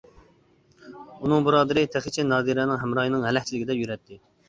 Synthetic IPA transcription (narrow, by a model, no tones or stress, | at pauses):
unɨŋbuɾɑːd̪ɨɾɪt̪ʰæχɪt͡ʃʰɛnɑːd̪iɾɛnɪŋɦɛmɾɑːjinɨŋɦɛlɛhʲt͡ʃʰilɪkʲɪd̪ɛpjyɾɛt̪ʰːɪ